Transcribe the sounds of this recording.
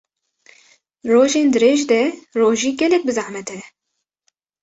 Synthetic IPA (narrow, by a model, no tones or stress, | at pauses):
roːʒeːnd̪ɨɾeːʒd̪ɛroːʒiːɡɛlɛk̚bɨzaʕmɛt̪ʰɛ